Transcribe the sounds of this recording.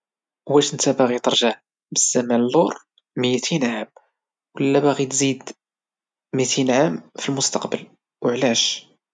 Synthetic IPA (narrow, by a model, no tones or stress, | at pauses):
wæʃənt̪æbæɣit̪ɑɾˤʒaʕ | bəz̥ːæmænlːoɾ | mjt̪ʰinʕam | wəlːæbæɣit̪zid̪ | mit̪ʰinʕamfilmʊst̪ɑqbə̰l | wəʕlæʃ